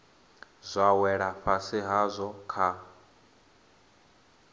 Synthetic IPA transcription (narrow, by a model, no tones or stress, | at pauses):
zʷawɛɺaɸasiɦazʷɔkʰa